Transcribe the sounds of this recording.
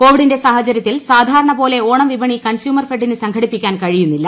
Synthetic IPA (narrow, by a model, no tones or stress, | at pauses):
ko̞ːʋiɽinde̞saːhɐt͡ɕɐɾjɐt̪ːilsaːd̪ʱaːɾɐɳɐpo̞ːle̞oːɳɐmʋibɐɳikɐnsjuːmɐrfeɖːinɨsɐŋɡʰʱɐɽipːikʲːaːnkɐɻijunːilːɐ